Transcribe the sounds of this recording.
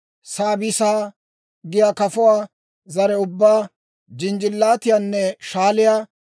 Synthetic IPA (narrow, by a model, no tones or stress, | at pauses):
saːbɪsaː | ɡɪjaːkɐfʊwaː | zɐɾɛʊbːaː | d͡ʒɪnd͡ʒɪlːaːt̪ɪjanːɛʃaːlɪjaː